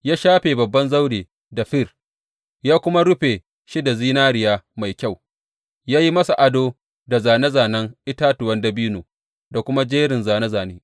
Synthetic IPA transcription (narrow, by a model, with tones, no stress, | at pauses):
jaː˦ʃaː˦ɸeː˨bɐ˨bːɐ˦nza˦wdeː˨ | da˨ɸɪ˦˨r | jaː˦kʷʊ˦ma˦ɽʊ˦ɸeː˨ | ʃi˦da˨ziː˦naː˦ɽɪ˨jaː˦ma˨jkʲa˦˨w | jaː˦ji˦mɐ˦sa˨ʔa˨doː˦ | da˨zaː˨nɐ˦zaː˨nɐ˦ŋʔɪ˦taː˦tʊ˨wɐ˦ndɐ˦biː˦noː˨ | da˨kʷʊ˦ma˦d͡ʒeː˦ɽɪ˨nzaː˨nɐ˦zaː˨neː˦